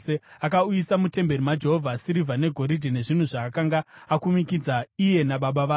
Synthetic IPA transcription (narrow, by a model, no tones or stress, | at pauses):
eakaujisamute̞mbe̞ɾimad͡ʒeɦo̞vʱasiɾivʱane̞ɡʱo̞ɾidʱine̞ʐin̤uʐakakaŋɡaakumikid͡zaije̞naɓaɓaʋaː